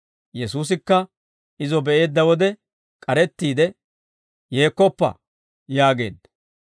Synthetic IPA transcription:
jɛsuːs̬ɪkːɐ | ɪzɔbɛʔe̞ːd̪ːɐwɔd̪ɛ | kʼɐɾɛt̪ːiːd̪ɛ | je̞ːkːɔpːɐ̰ | jaːɡe̞̰ːd̪ːɐ̥

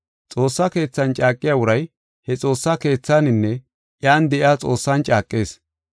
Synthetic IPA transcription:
t͡sʼo̞ːsːake̞ːt͡sːɐnt͡ʃʼaːkʼːɪjaːwʊɾɐj | hɛt͡sʼo̞ːsːake̞ːt͡sːanɪnːɛ | ʔjaːnd̪ɛʔɪaːt͡sʼo̞ːsːɐnt͡ʃʼaːkʼːe̞ːs

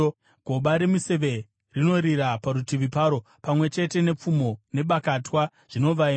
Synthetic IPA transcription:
ɡʱo̞ɓaɾemise̞ʋe̞ | rino̞ɾiɾapaɾutiʋipaːɾo̞ | pamwe̞t͡ʃe̞te̞ne̞p͡fumo̞ne̞ɓakatwa | ʐ̥ino̞ʋai

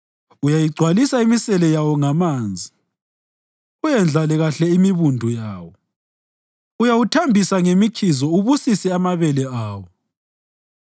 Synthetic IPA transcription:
ujajiɡ͡ǀʱwalisaimisɛlɛjawɔŋamaːnd͡zʱi | ujɛnd͡ɮʱalɛɣaɬɛimiβundʱujaːwɔ | ujawutʰambʱisaŋemikʰizɔuβusisɛamaβɛlɛaːwɔ

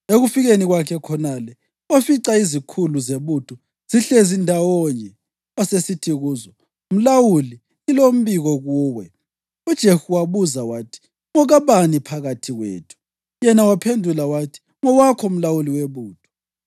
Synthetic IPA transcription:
eɣufiɣeniɣwakʰɛkʰɔnalɛ | wafiǀaizikʰuluzeβutʰʼɔ | z̥iɬezindʱawɔɲɛ | asesitʰiɣuːzɔ | um̩lawuli | ilom̩βiɣɔɣuːwɛ | ud̥ʒ̥ʱehuwaβuzawaːtʰi̥ | ŋɔɣaβanipʰaɣatʰiɣwḛːtʰu̥ | jɛnawapʰendʱulawatʰi̥ | ŋɔwakʰɔum̩lawuliweβuːtʰʼɔ̥

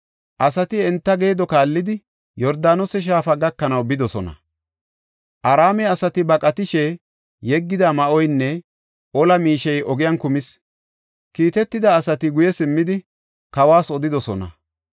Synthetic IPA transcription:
ʔɐsɐt̪ɪɛnt̪ːɐɡe̞ːd̪ɔkaːlːɪd̪ɪ | jɔɾd̪aːnɔsɛʃ̬aːfɐɡɐkːɐnɐwbɪd̪ɔsɔnɐ̰ | ʔɐɾaːmɛɐsɐt̪ɪbɐkʼɐt̪ɪʃɛ | jɛɡːɪd̪ɐmɐʔɔjnːɛ | ʔɔlɐmiːʃɛjɔɡɪjɐnkʊmɪs | kiːt̪ɛt̪ːɪd̪ɐːsɐt̪ɪɡʊjɛsɪmːɪd̪ɪ | kɐwaːsɔd̪ɪd̪ɔsɔnɐ̰

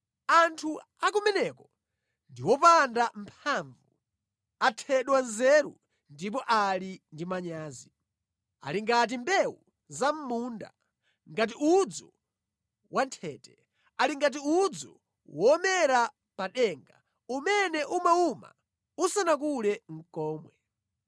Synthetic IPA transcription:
antʰu | ak̬umɛnɛkɔ | ndiwɔpandampʰaɱvu | atʰɛɗwanzɛɾṵ | ndip̬ɔʔalindimaɲaːzi | a̰liŋɡat̬imbɛwu | zam̩muːnda̰ | ŋɡat̬iud͡zɔ | wantʰɛːtɛ | aliŋɡat̬iud͡zɔ | wɔːmɛɾa | paɗɛːŋɡa | umɛnɛʔumauma̰ | usanak̬ulɛŋ̩kɔːmwɛ

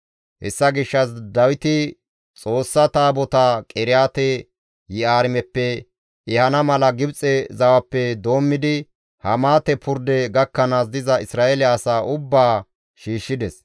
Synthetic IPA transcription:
hɛ̰sːɐɡɪʃːɐs̬d̪ɐwɪt̪ɪ | t͡sʼo̞ːsːɐt̪aːbɔt̪akʼɛɾɪjaːt̪ɛ | jɪaːɾɪmɛpːɛ | ɪhɐnɐmɐlɐɡɪbt͡sʼɛzɐwɐpːɛd̪o̞ːmːɪd̪ɪ | hɐmaːt̪ɛpʰʊɾd̪ɛɡɐkːɐnaːs̬d̪ɪzɐɪsɾaːʔɛlɛɐsaːʔʊbːaː | ʃiːʃːɪd̪ɛs

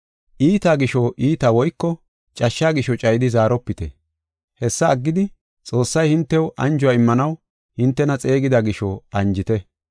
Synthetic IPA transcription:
ʔiːt̪aːɡɪʃɔʔiːt̪awɔjkːɔ | t͡ʃʼɐʃːaːɡɪʃɔt͡ʃʼɐjd̪ɪzaːɾɔpːɪt̪ɛ̰ | hɛsːɐːɡːɪd̪ɪ | t͡sʼo̞ːsːɐjhɪnt̪ːɛwʔɐnd͡ʒʊwaːɪmːɐnɐw | hɪnt̪ːɛnɐt͡sʼe̞ːɡɪd̪aɡɪʃɔɐɲd͡ʒɪt̪ɛ

